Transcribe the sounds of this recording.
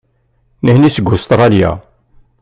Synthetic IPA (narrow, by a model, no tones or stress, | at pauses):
nəhnisəɡust̪ɾˤɑljæ̰